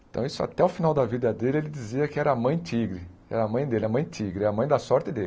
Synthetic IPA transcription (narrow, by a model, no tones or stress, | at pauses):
ẽt̪ɐ̃w̃isʊa̰t̪ɛʊfinawd̪ɐvid̪ɐd̪elɪelɪd͡ʒiziɐkɪɛɾɐːmɐ̃j̃t̪iɡɾɪɛ̰ɾɐːmɐ̃j̃d̪elɪɐmɐ̃j̃t̪ʰiɡɾɪɐmɐ̃j̃d̪ɐsɔɾt̪ɪd̪elɪ